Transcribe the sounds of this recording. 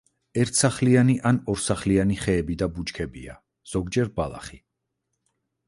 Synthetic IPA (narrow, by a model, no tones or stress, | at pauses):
ɛɾt̪ʰsaχlianiʔanɔɾsaχlianiχɛːbid̪abut͡ʃkʰɛbḭa̰ | z̥ɔɡd͡ʒɛɾbalˠa̰χi